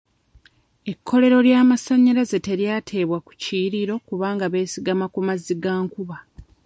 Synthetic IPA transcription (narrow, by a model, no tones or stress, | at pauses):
e̞kʰːo̞le̞ɾo̞ljaːmasaɲːaɾaze̞te̞ɾjaːtʰe̞ːβwaku̥ciɾiɾo̞kuβaːŋɡaβe̞ːsiɡamakumaziɡaːŋkuβa